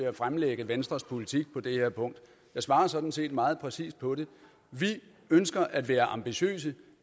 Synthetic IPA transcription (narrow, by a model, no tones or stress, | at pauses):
e̝æfʁamleɡ̥əʋensd̥ʁɐspʰo̝lit͡sʰiɡ̥̚pʰɒ̽d̥e̝heɐ̰pʰɔ̽ŋ̰d̥ | jɑ̈ɪsʋɑ̈ːɐsɒ̽d̥n̩se̝̰ːd̥mɑ̈ːð̩ˠpʰʁɛsḭːsd̥̚pʰɒ̽ɾe̝ | ʋi | ønsɡ̥ɐʔæd̥ʋæːɐʔɑ̈mb̥iɕø̰ːs̬ə